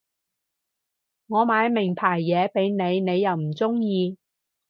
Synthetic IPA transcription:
ŋɔː˨˧maː˨˧˥jmɪ˨˩ŋpʰaː˨˩jːɛː˨˧pe˨˥jne˨˧jne˨˧jːɐ˨wm̩˨˩t͡sʊ˥ŋjiː˧

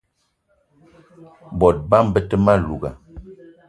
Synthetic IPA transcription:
bɔ˨t̚ba˦m˦bə˦tə˦ma˦lu˨ɡa̰˨

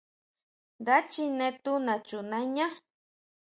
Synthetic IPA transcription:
d̪a˦t͡ʃi˦nẽ˦t̪u˦na˨t͡ʃu˨na˦ɲa˦

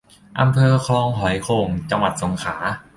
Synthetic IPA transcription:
ʔa˧mpʰɤː˧kʰɾɔː˧ŋɦɔ˩˦jkʰoː˧˩ŋt͡ɕa˧ŋwa˨˩t̪̚so˩˦ŋkʰaː˩˦

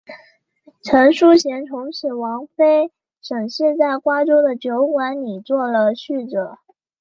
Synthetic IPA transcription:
ʈ͡ʂʰə˧˥ŋʂu˥ɕjɛ˧˥nʈ͡ʂʰʊ˧˥ŋɕ̩˨˩wɑ˧˥ŋfe˥ɪ | ʂə˨˩ŋɕ̩˥˧t͡sa˥˩ɪkwa˥ʈ͡ʂo˥ʊd̪ə˨t͡ɕjo˧˥ʊkwa˧˥nli˨˩t͡swɔ˥˩lə˩ɕy˥˩ʈ͡ʂɤ˨˩˦

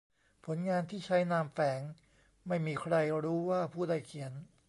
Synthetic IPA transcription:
pʰo˩˦nŋaː˧nt̪ʰiː˥˩t͡ɕʰa˦˥jnaː˧mfɛː˩˦ŋ | ma˥˩jmiː˧kʰɾa˧jɾuː˦˥waː˥˩pʰuː˥˩da˥˩jkʰi˩˦ən

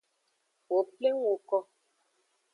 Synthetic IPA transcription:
wo˨ple˦ŋ˦wo˨kɔ˦

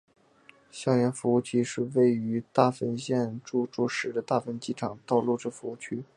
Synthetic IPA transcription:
ɕjɑ˥˩jɛ˧˥nfu˧˥u˥˩t͡ɕʰy˥ʂɻ̩˥˧we˥˩ɪy˧˥t̪a˥˩fə˥nɕjɛ˥˧nʈ͡ʂu˥˧ʈ͡ʂu˥˩ʂɻ̩˨˥d̪ə˧t̪a˥˩fə˥nt͡ɕi˥ʈ͡ʂʰɑ˨˩˦ŋt̪ɑ˥˧ʊlu˥˧ʈ͡ʂɤ˥˩fu˧˥u˥˩t͡ɕʰy˥

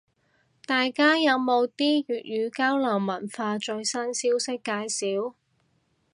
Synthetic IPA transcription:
t̪aː˨jkaː˥jɐ˨˧wmo˨˧wt̪iː˥jyː˨t̚jyː˨˧kaː˥wlɐː˨˩ŋmɐ˨˩nfaː˧t͡ʃɵ˧ɥsɐ˥nsiː˥wsɪ˥kːaː˨˧˥jsiː˨˥w

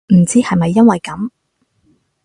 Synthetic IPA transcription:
m̩˨˩t͡siː˥hɐ˨jmɐ˨jːɐ˥nwɐ˨jkɐ˨˥m

